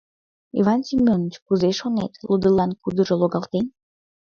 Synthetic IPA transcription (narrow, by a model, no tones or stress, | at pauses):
ḭvɑnsʲimʲonət͡ɕkuzeʃonḛt̪lud̪əlɑnkud̪əʒoloɣɑlt̪en